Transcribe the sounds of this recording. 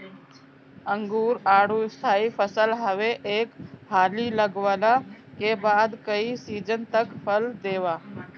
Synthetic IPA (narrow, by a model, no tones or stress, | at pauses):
əŋɡuːɾaːɽuːɪst̪ʰaːiːfʰəsəlɦəʋeʔeːkɦaːliːləɡʋaːlaːkeːbaːd̪kəisiːd͡ʒənt̪əkpʰəld̪eːʋaː